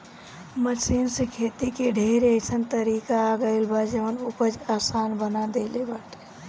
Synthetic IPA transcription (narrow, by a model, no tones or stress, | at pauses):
məsinsekʰeːt̪ikeɖʱeɾet͡ʃʰənt̪əɾikaɡəɪlbad͡ʒəʋənupəd͡ʒasaːnbənad̪elebaʈʰ